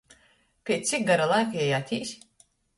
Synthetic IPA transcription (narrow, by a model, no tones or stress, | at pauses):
pʲet̪̚ʲt͡s̪ʲik̚ɡaɾalˠajkjɛjat̪ʰʲiːsʲ